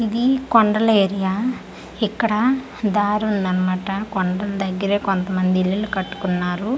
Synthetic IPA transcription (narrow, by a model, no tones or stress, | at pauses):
id̪ikɔɳɖɾɐleːɾija | ikːɐɽɐ | d̪aːɾulnɐnɐmɐʈɐkɔɳɖɐld̪ɐɡːiɾeːkont̪ɐmɐnd̪iilːilukɐʈːu̥kunːaːɾu